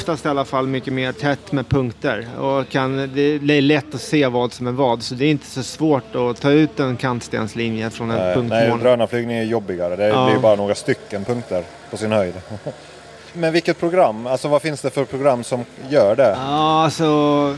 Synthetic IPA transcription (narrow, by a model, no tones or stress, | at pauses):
ft̪ast̪ɛalːafalːmʏkːəmeːʈʰɛt̪ːmɛpʰɵŋkt̪əɾɔkʰand̪ɛd̪ɛːɭɛt̪ːɔseːvɑːd̪sɔmæɾvɑːd̪sɔd̪ɛːɾɪnt̪ə̥sɔsvoːʈɔt̪ʰɑːʉ̟ːt̪ɛnkʰant̪st̪ḛːnslinjəfɾɔnɛpɵŋknɛmoːd̪ɾœːnaflyːɡnɪŋajɵjɔbːɪɡaɾəd̪ɛɪjbɑːɾanoːɡɾast̪ʏkːənpʰɵŋk̚t̪əɾ | pʰɔsɪnhœjd̪ | mɛnvɪlkːət̪̚pʰɾʊɡɾamːalsɔvafɪnsd̪ɛfœɾpʰɾʊɡɾamːsɔmjœːɖɛɑːalsɔ